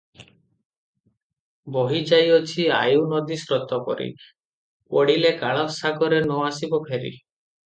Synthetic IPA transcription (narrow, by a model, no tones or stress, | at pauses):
bɔɦid͡ʒajɔt͡ʃʰia̰junɔd̪isɾɔt̪ɔkɔ̰ɾḭ | pɔɽilekaɭ̃ɔsaɡɔɾenɔasibɔpʰeɾḭ